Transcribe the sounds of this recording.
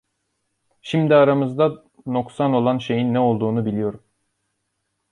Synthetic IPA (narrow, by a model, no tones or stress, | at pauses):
ʃimd̪iaɾamɯzd̪a | no̞ksano̞lˠanʃe̞jinːɛo̞lˠd̪uːnubilʲijo̞ɾum